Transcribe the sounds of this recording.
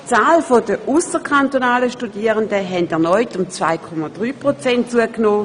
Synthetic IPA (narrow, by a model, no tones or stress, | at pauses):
t͡saːlfod̥əʔusəkʰantonaːləʃtudiəʁəndəɦɛndɛɐnɔʏtʊmt͡sva̰ɪkʰɔmad̥ʁyːpʁot͡sɛnt̚t͡suəknoː